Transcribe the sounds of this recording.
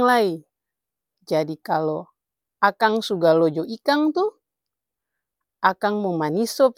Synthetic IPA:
ŋlai | d͡ʒadikalo | akaŋsuɡalɔd͡ʒɔikaŋt̪u | akaŋmomanisɔp

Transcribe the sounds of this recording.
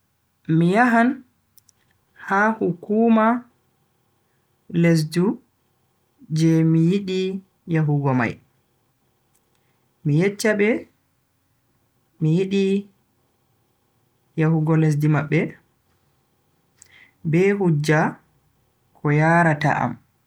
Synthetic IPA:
mijaɦan | hahukuːma | les̬du | d͡ʒɛmijiɗi | jaɦuɡɔma̰j | mijɛt͡ʃːabɛ | mijiɗi | jahuɡɔlɛs̬dimaɓːɛ | bɛɦud͡ʒːa | kʰɔjaɾata̰ʔa̰m

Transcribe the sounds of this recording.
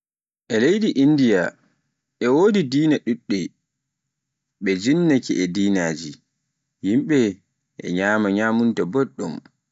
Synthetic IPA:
ʔɛlejɗiʔindija | ʔɛwodidiːnaɗuɗːɛ | ɓɛd͡ʒinːakiʔɛdiːnaːd͡ʒi | himɓɛ | ʔɛ̰ɲaːmaɲaːmuntabɔɗːɔm

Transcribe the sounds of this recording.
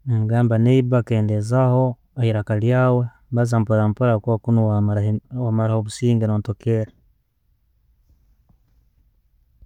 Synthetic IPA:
eŋɡaːmbaneiβakeːndezaho̞ | ehiɾakaljaːwe̞ | βazampoɾampoɾakβkunu | wamaɾahoβusiːŋɡenoːntokeɾe

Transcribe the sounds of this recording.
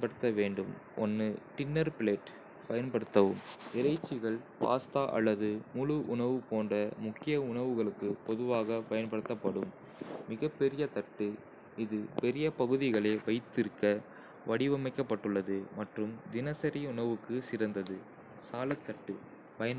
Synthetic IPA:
npɐɽɯt̪ːɐʋeːɳɖɯm | ʔɔ̰nːɯʈɪnːɐɾpɪleːʈ | pɐjɐnpɐɽɯt̪ːɐʋɯmɪɾɐɪt͡ʃːɪɣɐɭpa̰ːst̪aːʔɐ̰lːɐðɯmʊɻɯʔʊɳɐʋɯpoːndrɐmʊkːɪjɐʊɳɐʋɯɣɐɭɯkːɯpɔðɯʋaːɣɐpɐjɐnpɐɽɯt̪ːɐpːɐɽɯmː | ɪɣɐpːɛɾɪjɐt̪ɐʈːɯ | ɪðɯpɛɾɪjɐpɐɣɯðɪɣɐɭeːʋɐɪt̪ːɪɾɯkːɐ | ʋɐɽɪʋɐmɐɪkːɐpːɐʈːɯɭːɐðɯmɐʈrɯmd̪ɪnɐsɐɾiʊɳɐʋɯkːɯsɪɾɐnd̪ɐðɯ | saːlɐt̪ːɐʈːɯ | pɐjɐn

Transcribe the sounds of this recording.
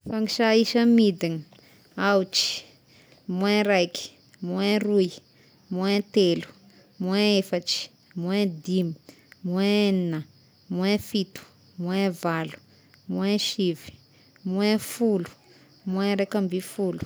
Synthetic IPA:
faŋiʃaisəmid̪ini̥ | awt͡ʃi̥ | muẽɾajki̥ | muẽruj | muẽt̪elu̥ | muẽefaʈ͡ʂi̥ | muẽd̪imi̥ | mueeninə | muẽfit̪u̥ | muẽvalu̥ | muẽʃivi̥ | muẽfulu̥ | muẽɾakambifulu̥

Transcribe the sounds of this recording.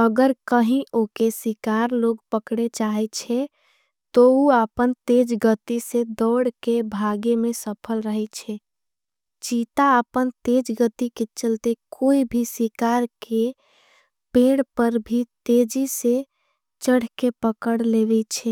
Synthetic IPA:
əɡəɾkəɦĩʔokesikaɾloɡpəkɽet͡ʃaɦɛt͡ʃʰɛ | t̪ouapənt̪ed͡ʒɡət̪ised̪ɔɽkebʱaɡemẽsəpʰəlɾəɦɛt͡ʃʰɛ | t͡ʃit̪aəpənt̪ed͡ʒɡət̪iket͡ʃəlt̪ekoibʱisikaɾke | peɽpəɾbʱit̪ed͡ʒise | t͡ʃəɽ̤kepəkəɽleʋɛt͡ʃʰɛ

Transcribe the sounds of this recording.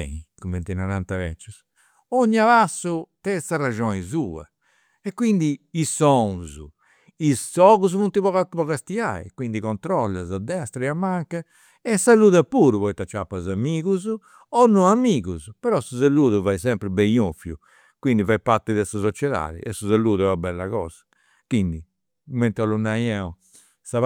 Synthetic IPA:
ɛ̰kumɛnt̪inaɾant̪avɛ̰t͡ʃːus | oɲːaβasːut̪ɛsaraʒɔnizuːa̰ | ɛkːwind̪iisːɔ̃zṵ | isːɔːɣuzvunt̪iβɔapɔɣast̪ia̰ḭkwind̪ikɔnt̪ɾɔlːa̰zad̪ːɛst̪ɾiamːaŋka | ɛsːaluːðɛpuːɾuβɔit̪ːat͡ʃːapːazamiːɣuz | ɔnːɔamiːɣuzpɛɾɔsuzalːuːðuvaisɛmpɾibejofjṵ | kwind̪ivajpaɾt̪ɛðɛsasɔt͡ʃɛða̰ːðḭʔɛsːuzalːuːðɛabɛlːa̰ɣɔ̰ːz̥ḁ | kwind̪i | mɛnt̪ɔlunːajɛɔ | sa

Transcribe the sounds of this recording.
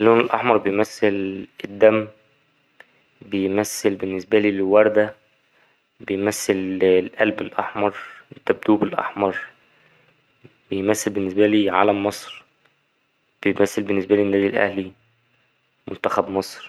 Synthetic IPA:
ʔlːoːnelʔɑ̰ħmɑɾˤbejmæsːeled̪ːæmː | bejmæsːelbenːesbæliːlwɑɾˤd̪æ | bejmæsːellʔælbelʔɑħmɑɾˤet̪ːæb̚d̪uːbelʔɑ̰ħmɑɾˤ | b̥ejmæsːelbenːesbæliːʕa̰læmːɑsˤɾ | b̥ejmæsːelbenːes̬bæliːnːæd̪ilʔæ̰hli | mont̪æxæbmɑsˤɾ

